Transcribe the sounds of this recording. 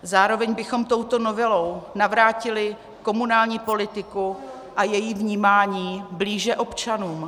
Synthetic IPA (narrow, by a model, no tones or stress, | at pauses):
zaːɾo̞vɛɲbɪxo̞mt̪o̞wt̪o̞no̞vɛlo̞wnavɾaːcɪlɪ | ko̞munaːlɲiːpo̞lɪt̪ɪku | ʔajɛjiːvɲiːmaːɲiːbliːʒɛʔo̞pt͡ʃanuːm